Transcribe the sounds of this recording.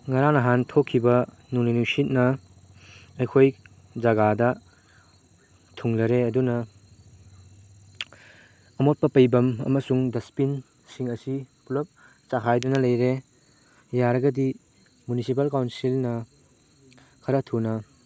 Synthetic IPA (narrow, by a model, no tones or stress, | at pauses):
ŋɐɾaŋnɐɦantʰokʰːibɐ | nuŋnijnusit̚nɐ | ɐjkʰoj | d͡ʒɐɡadɐ | tʰuŋlɐɾeɐdunɐ | ɐmot̚pɐpɐjbɐmɐ̰mɐsuŋdɐspin | siŋɐsipulɐp̚ | t͡ʃaɦʰajdunɐlɐjɾe | jaɾɐɡɐdi | munisip̬ɐlkawnsilnɐ | kʰɐɾɐtʰunɐ